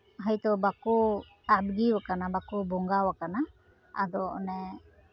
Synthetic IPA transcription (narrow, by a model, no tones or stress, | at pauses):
ɦajt̪ɔbaku | abɡiwakanabakubɔŋɡawakana | a̰d̪ɔnɛ